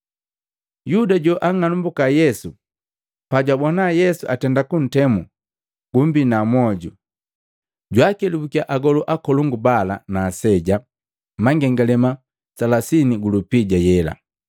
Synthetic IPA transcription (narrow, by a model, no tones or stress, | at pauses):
judaɟɔʔaŋanumbukajɛsu | paɟwabɔnajɛsuatɛndakun̩tɛmu | ɡ̥umbinamwɔɟu | ɟwakɛlubukiaʔaɡɔluʔakɔluŋɡubalanaːsɛɟa | maŋɡɛŋɡalɛma | salasiniɡulupiɟajɛla̰